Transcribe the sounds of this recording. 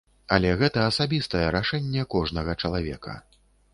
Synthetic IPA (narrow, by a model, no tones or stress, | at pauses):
ɐlʲɛɣɛt̪ɐːsabʲist̪ɐjɛɾaʂɛnʲːɛkɔʐnɐɣɐt͡ʂɐlˠavʲɛ̰kʰɐ̰